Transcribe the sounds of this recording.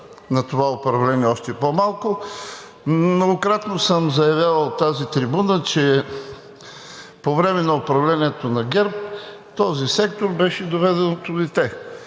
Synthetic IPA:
nɐt̪ovaopɾɐvlɛniɛɔʃt̪ɛpomalˠkʊ | mnoɡokɾat̪nosəmzɐjɐvʲjavət̪ːazit̪ɾibunət͡ʃɛ | povɾɛmɛnɐoʊpɾɐvlʲɛniɛt̪onɐɡɛɾp̚ | t̪ɔzisɛkt̪oɾbɛʃɛd̪ovɛd̪ɛnot̪ʊlɛt̪ɛ

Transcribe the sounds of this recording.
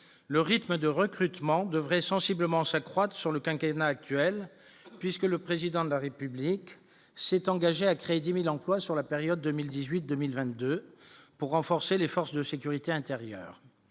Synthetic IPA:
ləʁit̪məd̪əʁəkχyt̪mɑ̃d̪əvʁɛsɑ̃sibləmɑ̃sakχwat̪χə̥syʁləkɛ̃kenaːk̚t̪ɥɛl | pɥiskələpχezid̪ɑ̃d̪əlaʁepyblik | sɛt̪ɑ̃ɡaʒeakχeed̪imilɑ̃plwasyʁlapeʁjɔd̪̚ːømild̪izɥit̪̚d̪ømilvɛ̃t̪̚d̪øpuʁːɑ̃fɔʁselefɔʁsd̪əsekʲyʁit̪eɛ̃t̪eʁjœ̰ːʁ

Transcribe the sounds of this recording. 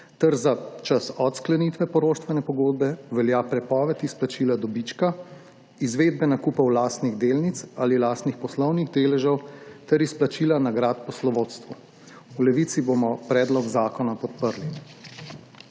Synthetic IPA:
t̪ɛɾzat͡ʃasɔt̪sklɛnit̪ʋɛpɔɾoːʃt̪ʋɛnɛpɔɡoːd̪̚bɛʋɛljapɾɛpɔːʋɛt̪isplat͡ʃilad̪ɔbit͡ʃka | izʋeːd̪̚bɛnakuːpɐwlaːst̪niɣd̪eːlnit̪salilaːst̪nixpɔslɔwniɣd̪eːlɛʒɐwt̪ɛɾisplat͡ʃiːlanaɡɾaːt̪pɔslɔʋoːt̪st̪ʋu | ulɛʋiːt̪sibomɔpɾɛːd̪lɔɡzaːkɔnapɔt̪̚pəɾli

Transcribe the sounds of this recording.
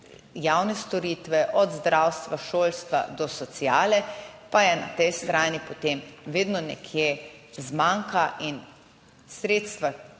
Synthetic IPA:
jawnɛst̪ɔɾiːt̪ʋɛʔɔd̪zd̪ɾawst̪ʋaʃoːlst̪ʋa̰d̪ɔsɔt̪siaːlɛpajɛna̰t̪ɛjst̪ɾaːnipot̪emʋeːd̪nɔnɛ̰kʰjezmaŋkaʔin | sɾeːt̪st̪ʋa

